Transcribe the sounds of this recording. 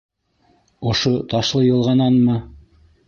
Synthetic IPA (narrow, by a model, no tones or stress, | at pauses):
ŏʃot̪ɑʃlˠɤjɤ̆lˠʁɑnɑnmɤ